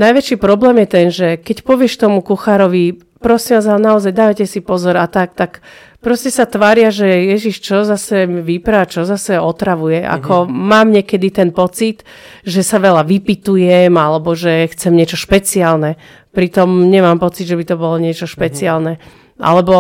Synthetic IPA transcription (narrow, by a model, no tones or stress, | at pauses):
najʋɛt͡ʃipɾɔblɛːmjɛt̪ɛnʒɛkɛcpɔʋɪɛʃkt̪ɔmukuxaɾɔʋi | pɾɔsimʋaːzanaɔzajd̪aːʋacɛsipɔzɔɾat̪ak̚t̪ak | pɾɔscɛsat̪ʋaːɾɪaʒɛjɛʒiʃt͡ʃɔzasɛmʋipɾat͡ʃɔzasɛɔt̪ɾaʋujɛʔa̰kʰɔmaːmɲɛkɛd̪it̪ɛnpɔt͡sit̪ | ʒɛsaʋɛlaʋipit̪ujɛmalɛbɔʒɛxt͡sɛmɲɪɛt͡ʃɔʃpɛt͡siaːlnɛ | pɾit̪ɔmɲɛmaːmpɔt͡sid̪ʒɛbit̪ɔbɔlɔɲɪɛt͡ʃɔʃpɛt͡siaːlnɛ | ʔa̰lɛbɔ